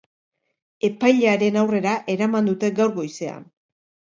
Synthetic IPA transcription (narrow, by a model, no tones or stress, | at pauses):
e̞pajʎeaɾe̞nawre̞ɾaʔe̞ɾamand̪ut̪e̞ɡawɾɣo̞jse̞a̰n